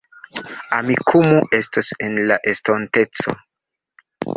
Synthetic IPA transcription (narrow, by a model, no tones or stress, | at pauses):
amikʰumuʔe̞stosenlaʔe̞stonte̞t͡so̰